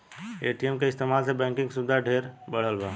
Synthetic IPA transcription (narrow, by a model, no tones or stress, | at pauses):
eʈijemkeɪst̪emalsẽbɛ̃ːŋkɪ̃ŋɡksud̪ʱːaɖʱeɾbəɽ̤əlba